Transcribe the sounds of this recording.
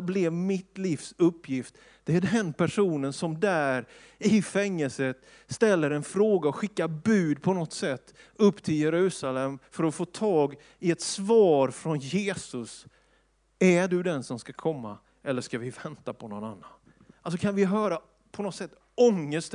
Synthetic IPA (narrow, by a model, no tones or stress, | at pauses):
blɛvmɪt̪liːfsɵpːjɪft̪ | d̪̥ɛæɖɛnpʰæʂuːnənsɔmd̪æːɾ | ɪfɛŋːəlsət̪ | st̪ɛlːəɾɛnfɾoːɡaɔɧɪkːabʉ̟ːd̪pʰɔnɔt̪sɛt̪ː | ɵpːt̪ʰɪljɛɾʉ̟ːsalɛmfœɾɔfoːt̪ʰɑːɡ | ɪɛt̪svɑːɾfɾɔnjeːsɵs | æɖɵd̪ɛnsɔmskakʰɔmːa̰ | ɛlːəʂkavɪvɛnt̪apʰɔnɔnanːan | als̬ɔkʰanvɪɦœːɾa | pʰɔnɔt̪sɛt̪ː | ɔŋːəst̪